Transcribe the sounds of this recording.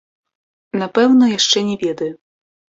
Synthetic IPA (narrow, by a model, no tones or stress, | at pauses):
napɛwnɔjaʂt͡ʂɛnʲɛvʲɛd̪ɐju